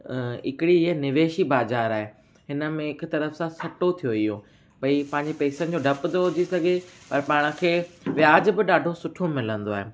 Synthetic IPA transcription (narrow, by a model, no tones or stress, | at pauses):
ɪ̰kɪɽiɪɦənɪʋeːʃibaːzaːɾaːɦe | ɦɪnə̆mẽɪkt̪ɐɾəfsãsɐʈot̪ʰijoijõ | bɐipɐ̃ɦɪ̃ɲd͡ʑepeːsənɪ̆d͡ʑoːɖʱɐpt̪ɐɦʊd͡ʑisɐɡʱepɐɾpaːɽ̃ə̆kʰeːʋɪjaːd͡ʑbɪɗaːɖʱosʊʈʰomɪlə̃nd̪oaːɦe